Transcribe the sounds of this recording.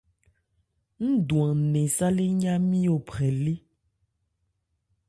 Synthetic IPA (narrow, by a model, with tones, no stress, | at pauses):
ŋ̩̃˦du˨ã˨nɛ̃˨sa˦le˦ɲã˦mĩ˦o˨pɛ˨le˦